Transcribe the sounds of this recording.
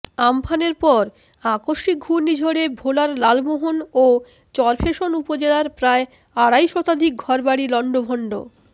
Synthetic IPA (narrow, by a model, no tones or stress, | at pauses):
ampʰaneɾpɔɾ | akoʃik̚unid͡ʑʱoɽebʱolaɾlalboɦono | t͡ɕɔɾpʰeʃonupod͡ʑelaɾpɾae | aɽajʃɔt̪ad̪ʱik̚ɡʱɔɾbaɽilɔɳɖobʱɔɳɖo̰